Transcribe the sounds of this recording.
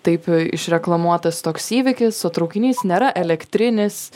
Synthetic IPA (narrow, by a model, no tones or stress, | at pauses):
t̪ɐɪpɪ̰ʃɾʲɛklˠɐmuɔt̪ɐst̪oːksiːʋʲɪkʲɪsot̪ɾɐʊkʲɪnʲiːsnʲeːɾɐʔɛlʲɛkt̪ʲɾʲɪnʲɪs